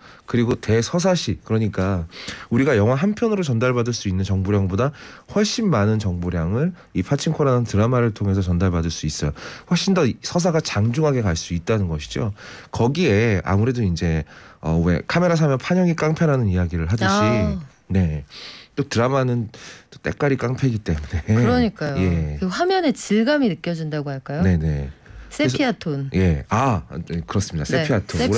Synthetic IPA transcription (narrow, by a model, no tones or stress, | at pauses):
kɯɾiɡote̞sʰʌsʰaɕʰikɯɾʌɲik͈auɾiɡajʌŋwaɦanpʰjʌnɯɾot͡ɕʌndaɭbadɯɭs͈uinːɯnt͡ɕʌŋboɾjaŋbodaɸwʌɭɕ͈inmanɯnt͡ɕʌŋboɾjaŋɯɭ | ipʰat͡ɕʰiŋkʰoɾanantɯɾamaɾɯɭtʰoŋɦe̞s̬ʰʌt͡ɕʌndaɭbadɯɭs͈uis͈ʌjoɸwʌɭɕ͈indʌsʰʌs̬ʰaɡat͡ɕaŋd͡ʑuŋɦaɡe̞kaɭs͈uit̚t͈anɯnɡʌɕʰi̥d͡ʑokʌɡie̞a̰muɾe̞doind͡ʑe̞ʌ̰we̞̰kʰame̞ɾasʰamjʌnpʰaɲʌŋik͈aŋpʰenɦanɯnijaɡiɾɯɭɦadɯɕi | ne̞t͈otɯɾamanɯnt͈ot͈e̞̰k͈aɾik͈aŋpʰe̞ɡit͈e̞munekʌɲik͈ajoje̞iɡoɸamjʌne̞t͡ɕiɭɡaminɯk͈jʌd͡ʑindaɡoɦaɭk͈ajone̞ne̞s͈eesʰiatʰonje̞akɯɾʌs͈ɯmɲidas͈epʰiatʰo